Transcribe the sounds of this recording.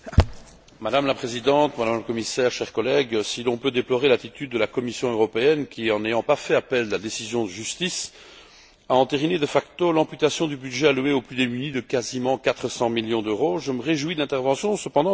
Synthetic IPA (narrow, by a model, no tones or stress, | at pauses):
mad̪amlapχezid̪ɑ̃t̪mad̪amləkɔmisɛːʁʃɛʁkɔlɛɡsilɔ̃pød̪eplɔʁelat̪it̪yd̪ːəlakɔmisjɔ̃øʁɔpeɛnkʲʰiɑ̃nejɑ̃pafɛapɛllad̪esizjɔ̃d̪əʒyst̪is | aɑ̃t̪eʁined̪əfakt̪olɛ̃pyt̪asjɔ̃d̪ybyd̪ʒɛalɥeoplyd̪emynid̪əkazimɑ̃kat̪χəsɑ̃miljɔ̃d̪øʁoʒəməʁeʒwid̪lɛ̃t̪ɛʁvɑ̃sjɔ̃səpɑ̃d̪ɑ̃